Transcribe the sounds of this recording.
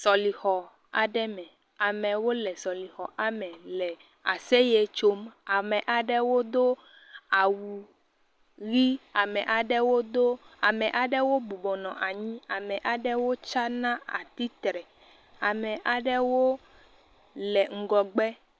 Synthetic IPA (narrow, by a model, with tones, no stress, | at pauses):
sɔ˨li˨xɔ˨ | a̰˨ɖɛ˦mɛ̃˨ | a˨mɛ̃˨wo˦lɛ˨sɔ˨li˨xɔ˨ʔa˨mɛ̃˨lɛ˨ | a˨se˦je˦t͡ʃo˦ma˨mɛ̃˨ʔa˨ɖɛ˦wo˦d̪o˦ | a˨wu˨ | ɣi˦a˨mɛ̃˨ʔa˨ɖɛ˦wo˦d̪o˦a˨mɛ̃˨ʔa˨ɖɛ˦wo˦bu˨bɔ˨nɔ̃˨ʔa˨ɲĩ˦a˨mɛ˨ʔa˨ɖɛ˦wo˦t͡ʃa˦nã˦a̰˨t̪i˦t̪ɾɛ˨ | a˨mɛ˨ʔa˨ɖɛ˦wo˦ | lɛ˨ŋ̩˨ɡɔ˨ɡ͡bɛ˦